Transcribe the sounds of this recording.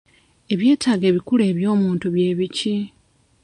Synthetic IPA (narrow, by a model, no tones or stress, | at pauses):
e̞βje̞ːtaːɡe̞ːβikule̞ːβjo̞ːmuːntuβje̞ːβici